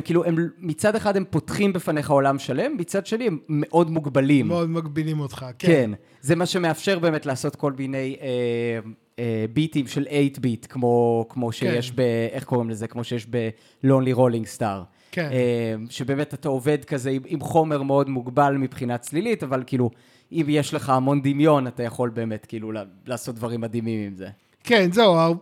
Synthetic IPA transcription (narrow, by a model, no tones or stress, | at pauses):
mkiːluemmit͡sadeχadempo̞tχimbefaneχao̞lamʃale̞mːit͡sad̪ʃeniemːe̞ʔo̞dmuɡbalimod̪maɡbilimot̪χakken | zemaʃe̞meafʃe̞ʁbe̞ːmetleːso̞tko̞lmine̞jem | ebitimʃe̞le̞jtbitkmo̞kmo̞ʃejeʃbeeχko̞ʁimle̞zekmo̞ʃejeʃbe̞ | lonliʁo̞liŋɡstaʁ | keemʃebe̞ːmetataove̞dkazeimimχo̞me̞ʁmeo̞dmuɡbalmipχinat͡slilitavalkiːlu | ʔimjeʃle̞χaamo̞ndimjo̞natajaχo̞lbe̞ːme̞tkiːlulalaːso̞t̚dvaʁimːad̪imimimze | kenzewa